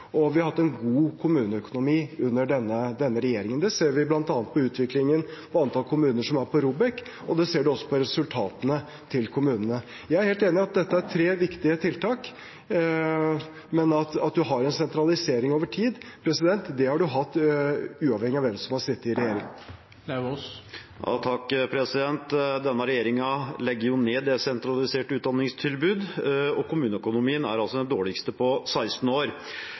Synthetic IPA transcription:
ɔʋɪhɑɾhɑt̪ːɛnɡuːkʰʊmʉːnəœkʊnʊmiːʉnːəɖɛnːəd̪ɛnːəɾɛjeːɾɪŋənd̪ɛseːɾʋɪblɑnt̪ɑːnət̪̚pʰɔʉːt̪ʰʋɪklɪŋənpʰɔɑnt̪ʰɑlkʰʊmʉːnəʂɔmæɾpʰɔɾuːbɛk | ɔd̪ɛseːɖʉɔsːɔ̥pʰɔɾɛsʉlt̪ʰɑːt̪ənə | t̪ʰɪlkʰʊmʉːnənə | jæɪæɾheːlt̪eːnɪɑt̪̚d̪ɛt̪ːəæɾt̪ʰɾeːʋɪkt̪ɪət̪ʰɪlt̪ʰɑːk | mɛnɑt̪ɑt̪̚d̪ʉɦɑɾɛnsɛnt̪ɾɑlɪseːɾɪŋoːʋəʈʰiːd̪pʰɾɛsɪd̪ɛnt̪d̪ɛhɑɖʉɦɑt̪ːʉːɑʋhɛŋːɪɑʋɛmsɔmhɑʂɪt̪ːɪɾɛjeːɾɪŋ | t̪ʰɑkːpʰɾɛsɪd̪ɛnt̪d̪ɛnːəɾɛjeːɾɪŋɑlɛɡːəɾjʊneːd̪ɛsɛnt̪ɾɑlɪseːʈʉːt̪̚d̪ɑnːɪŋst̪ʰɪlbʉːd̪ɔkʰʊmʉːnəœkʊnʊmiːənæ̰ɾɑlsɔd̪ɛnd̪oːɭɪkst̪əpʰɔsæɪst̪n̩oːɾ

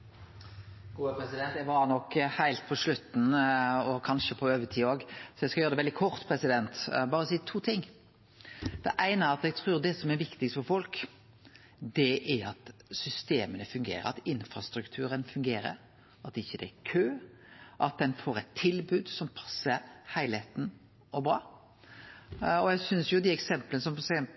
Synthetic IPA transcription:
ɡuːəpɾɛsɪd̪ɛnt̪ɛɡʋɑnɔkhæɪlt̪̚pʰɔʂlʉt̪ːn̩ɔkʰɑnʃəpʰɔøːʋət̪ʰiːoːɡsɔɛɪskɑjøːɾd̪ɛʋɛld̪ɪkʰɔɾt̪pʰɾɛsɪd̪ɛnt̪bɑːɾəsiːt̪ʰuːt̪ʰɪŋː | d̪̥ɛʔæɪnəæɾɑt̪ɛɡ̚t̪ʰɾʉːɾd̪ɛsɔmæɾʋɪkt̪ɪkst̪fɔɾfɔlk | d̪ɛʔæɾɑt̪sʏst̪eːmənəfʉŋɡḛːɾə̰ɾɑ̰t̪ɪnfɾɑst̪ɾʉkt̪ʰʉːɾənfʉŋɡeːɾə̰ɾ | ɑt̪ɪçːəd̪ɛækʰøː | ʔɑt̪̚d̪ɛnfoːɾɛt̪ʰːɪlbʉːd̪sɔmpʰɑ̥sːəɾhæɪlheːt̪n̩ | ɔbɾɑː | ɔjæɡsʏnsjʊd̪ɪɛksɛmplənəsɔmpʰsɪɛn

